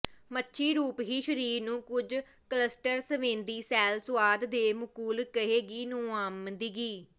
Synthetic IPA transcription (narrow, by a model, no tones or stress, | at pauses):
mətːʃʰiːɾuːpɦiːʃəɾiːɾnũːkʊd͡ʒ | kələsʈəɾsəʋẽːnd̪iːsɛːlsʊʋaːd̪d̪eːmʊkuːlkəɦeːɡiːnõːaːmd̪iːɡiː